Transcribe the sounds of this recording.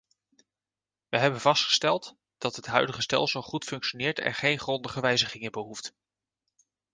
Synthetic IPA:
ʋəɦɛbənvɑstχə̥stɛlˠt | d̥ɑtɦətɦœ̰ɥdəχəstɛ̰lˠsəlˠχutfɵŋkʃonɪːɹtʰɛ̰nχejnχrɔndəχəʋɛjzəχɪŋəbəɦuft

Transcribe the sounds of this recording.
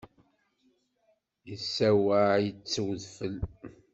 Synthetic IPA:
jəsːæwaʕjət͡sːəwðfəl

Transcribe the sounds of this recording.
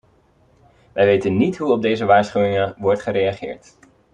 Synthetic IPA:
ʋɛjʋejtənːitɦuɔb̚dejzəʋaːɹsχywɪŋəʋɔɹtχəɾejaχɪ̰ːɹt

